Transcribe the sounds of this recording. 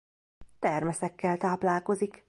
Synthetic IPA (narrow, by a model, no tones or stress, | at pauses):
t̪ɛrmɛsɛkːɛlt̪aːplaːlko̞zik